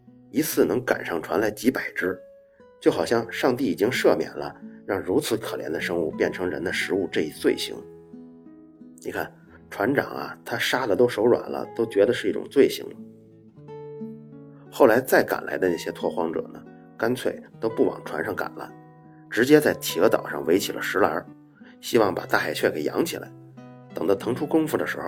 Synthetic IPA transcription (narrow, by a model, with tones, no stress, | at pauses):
i˧˥t͡sʰɹ̩˥˩nɤ˧˥ŋka̰˨˩nʂɑ˥˩ŋʈ͡ʂʰwa̰˧˥nla˧˥ɪt͡ɕi˧˥pa˨˩ɪʈ͡ʂɻ̩˥ | t͡ɕjo˥˩ʊxɑ˨˩ʊɕjɑ˥˧ŋʂɑ˥˧ŋt̪̬i˥˩i˨˩t͡ɕi˥ŋʂɤ˥˩mjɛ̰˨˩nlə̰˦ɻɑ˥˩ŋɻu˧˥t͡sʰɹ̩˧˥kʰɤ˨˩ljɛ̰˧˥nd̪ə˧ʂɤ˥ŋu˥˩pjɛ˥˩nʈ͡ʂʰɤ˧˥ŋɻə̰˧˥nd̪ə˧ʂɻ̩˧˥u˥˧ʈ͡ʂɤ˥˧i˧˥˩t͡swe˥˩ɪɕḭ˧˥ŋ | ni˨˩kʰa̰˥˩n | ʈ͡ʂʰwa˧˥nʈ͡ʂɑ̰˨˩ŋɐ̰˦t̪ʰa˥ʂa˥d̪ə˨t̪o˥ʊʂo˧˥ʊɻwa̰˨˩nlə̰˦t̪o˥ʊt͡ɕɥɛ˧˥d̪ə˧ʂɻ̩˧i˥˩ʈ͡ʂʊ̰˨˩ŋt͡swe˥˩ɪɕḭ˧˥ŋl | xo˥˩ʊla˧˥ɪt͡sa˥˩ɪka̰˨˩nla˧˥ɪd̪ə˧na˥˩ɕjɛ˥t̪ʰwɔ˥˧˩xwɑ˥ŋʈ͡ʂɤ̰˨˩nə˦ | ka˥nt͡sʰwe˥˩ɪt̪o˥ʊpu˥˩wɑ̰˨˩ŋʈ͡ʂʰwa˧˥nʂɑ˥˩ŋka̰˨˩nlə̰˦ | ʈ͡ʂɻ̩˧˥t͡ɕjɛ˥t͡sa˥˩ɪt̪ʰi˧˥ə˥t̪ɑ̰˨˩ʊʂɑ̰˥˩ŋwe˧˥ɪt͡ɕʰi˨˩lʔə̰˦ʂɻ̩˧˥lɐ˞˧˥ | ɕi˥wɑ˥˩ŋpa̰˨˩t̪a˥˧˩xa˧˩ɪt͡ɕʰɥɛ˥˩ke˨˩ɪjɑ̰˧˥ŋt͡ɕʰi˨˩la̰˧˥ɪ | t̪ɤ˨˩ŋd̪ə˧t̪ʰɤ˧˥ŋʈ͡ʂʰu˥kʊ˥ŋfu˥˩d̪ə˩ʂɻ̩˧˥xo˧ʊ